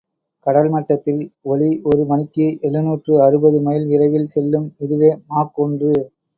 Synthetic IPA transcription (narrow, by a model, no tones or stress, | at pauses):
kɐɽɐlmɐʈːɐt̪ːɪlɔliɔɾɯmɐnɪkːɯʔɛɭɯnuːʈrɯɐɾɯbɐðɯmɐjɪlʋɪrɐɪʋɪlsɛlːɯmɪðɯʋeːmaːkːɔndrɯ